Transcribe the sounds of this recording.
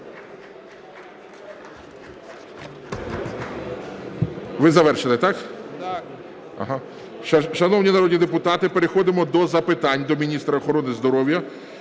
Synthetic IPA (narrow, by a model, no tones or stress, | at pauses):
ʋɪzɐʋɛrʃelˠɪt̪ɑk̪ | ɐ̰ɦɑ | ʃʃɐnɔwnʲinɐɾɔdʲnʲid̪epʊt̪ɑt̪ɪpeɾexɔd̪ɪmɔd̪ɔzɐpɪt̪ɑnʲd̪ɔmʲinʲist̪ɾɐɔxɔɾɔnɪzd̪ɔɾɔwjɐ